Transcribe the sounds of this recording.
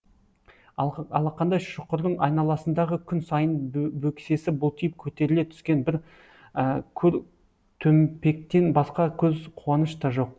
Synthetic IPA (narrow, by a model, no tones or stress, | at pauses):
ɑlˠɑqʰɑnd̪ɑjʃʊqəɾd̪əɴɑ̰jnɑlˠɑsənd̪ɑʁəkʲʰʏnsɑjənbɵkʲɪ̥se̞sɪbʊlˠt̪ʰijɪp̚kʲʰɵt̪e̞ɾɪle̞t̪ʰʏ̥skʲe̞nbɪɾ | əkʲʰɵɾ | t̪ʰɵmpe̞k̚t̪e̞nbɑsqɑkʲʰɵzqʰuwɑnəʃt̪ɑʒo̞q̚